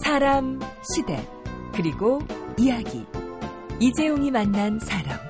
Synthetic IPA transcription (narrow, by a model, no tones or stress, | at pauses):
sʰaɾamɕʰide̞̰ | kɯɾiɡoijaɡḭ | id͡ʑe̞joŋimanːansʰaɾa̰m